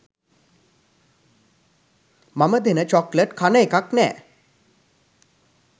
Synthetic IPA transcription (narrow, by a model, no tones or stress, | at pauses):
maməd̪ʱenət͡ɕɔkləʈkʰanəekaknɛ̰ː